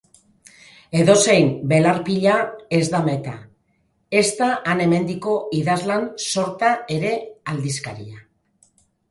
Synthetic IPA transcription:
e̞ðo̞se̞jmbe̞laɾpiʎae̞zðame̞t̪a̰ | e̞st̪aʔːne̞me̞nd̪iko̞iðazlanso̞ɾt̪ae̞ɾe̞ald̪iskaɾḭa

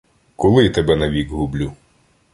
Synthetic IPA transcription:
kɔlˠɪt̪ebɛnɐʋʲikɦʊblʲu

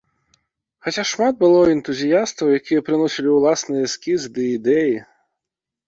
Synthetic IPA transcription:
xɐt͡ɕʲaʃmɑd̪̚bɪlˠɔɪnt̪ʊzʲijast̪ɐwjɐkʲijɛpɾɪnɔsʲɪlʲɪwlˠɑsnɨjɛskʲizd̪ɨid̪ɛji

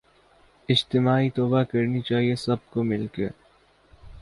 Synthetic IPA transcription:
ɪd͡ʒt̪ɪmaːit̪ɔːbakɐɾnit͡ʃaːɦiesɐb̚komɪlkḛ

